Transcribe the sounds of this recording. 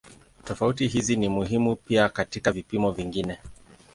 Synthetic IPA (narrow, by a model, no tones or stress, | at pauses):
tɔfautiɦizinimuɦimupiakatikavipimɔviŋɡinɛ